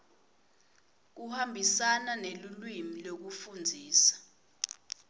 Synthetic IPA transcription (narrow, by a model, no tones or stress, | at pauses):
k̬uhambʱisananelulwimilok̬ufund͡zʱiːsḁ